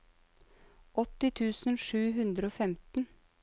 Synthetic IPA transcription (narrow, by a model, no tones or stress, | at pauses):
ʔɔt̪ɪt̪ʰʉːsn̩ʃʉːɦʉnd̪ɾəoːfɛmt̪n̩